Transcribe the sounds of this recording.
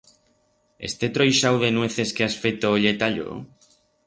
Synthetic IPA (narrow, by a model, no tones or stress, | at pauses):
ḛst̪et̪ɾojʃawðenweθeskeasfejt̪oːʎet̪aʎo̰